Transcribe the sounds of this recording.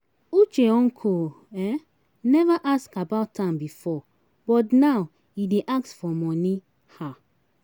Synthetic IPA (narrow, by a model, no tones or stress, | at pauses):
ut͡ʃeɔ̃ŋkʰo | ɛ | nɛvaʔaskabaʊtːãmbifɔ | bɔtnaw | ideʔak̚tfɔmɔni | ha